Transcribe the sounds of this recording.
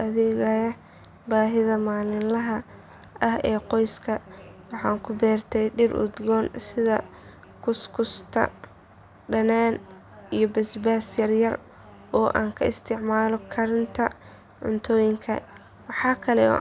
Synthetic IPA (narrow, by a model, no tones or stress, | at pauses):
ɐðɛːɣɐjɐ | baːɦɪðɐmaːlɪnlɐɦɐ | ʔɐhɛːqɔjskʰɐwɑħɑːŋkʰʊbɛːrt̪ʰɛjɖɪrʔʊ̰d̪ɡɔːnsɪðɐ̰ | kʰʊskʰʊst̪ʰɐ̰ | ɖɐnaːn | ijɔbɛsbaːsjɐrjɐr | ɔːʔa̰ːŋkʰɐɪst̪ʰɪʕmaːlɔkʰɐɾɪnt̪ʰɐ | ʕʊ̰nt̪ʰɔːjɪŋkʰɐ̰ | wɑħɑːkʰɐlɛɔ̰ː